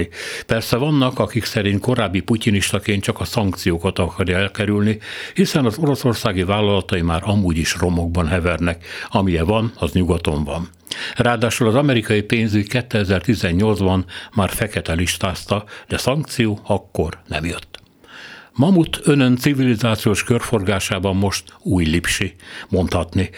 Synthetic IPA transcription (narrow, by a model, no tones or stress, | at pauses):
ipɛrsɛvɒnːɒkɒkiksɛɾint̪ko̞ɾaːbːipuciniʃt̪ɒkeːnt͡ʃɒkɒsɒŋkt̪sijoːkɒt̪ɒkɒrjɒɛlkɛɾylnihisɛnɒzo̞ɾo̞so̞rsaːɡivaːlːɒlɒt̪ɒimaːɾɒmuːɟiʃro̞mo̞ɡ̚bɒnɦɛvɛrnɛkɒmijɛvɒnɒzɲuɡɒt̪o̞ɱvɒ̰n | raːd̪aːʃulɒzɒmɛɾikɒjipeːnzykɛt̪ːɛɛzɛrt̪izɛɲːo̞ld̪zbɒnmaːrfɛkɛt̪ɛliʃt̪aːst̪ɒd̪ɛsɒŋk̚t̪sijoːɒkːo̞rnɛ̰mjøt̪ː | mɒmut̪ʰønø̞nt̪sivilizaːt̪sijoːʃkørfo̞rɡaːʃaːbɒmːo̞ʃt̪uːjlipʃimo̞nt̪hɒt̪ni